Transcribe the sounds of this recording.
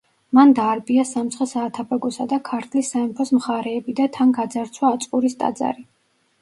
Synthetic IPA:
mand̪aːɾbiasamt̪sʰχɛsaːt̪ʰapʰɛɡɔsad̪akʰaɾt̪ʰlisːaɛmpʰɔsmχaɾɛːbid̪at̪ʰanɡad̪zaɾt̪sʰwaːt̪sʼqʼuɾist̪ʼa̰d̪za̰ɾi

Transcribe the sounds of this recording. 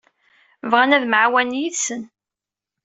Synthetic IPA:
vʁænæðmʕwænjiðsən

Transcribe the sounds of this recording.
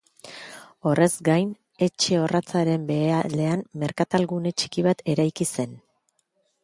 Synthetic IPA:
o̞rʔe̞zɡajn | e̞t͡ʃe̞o̞rat͡saɾe̞mbe̞ale̞anmːe̞ɾkat̪alɣune̞t͡ʃi̥kiβat̪e̞ɾajkise̞n

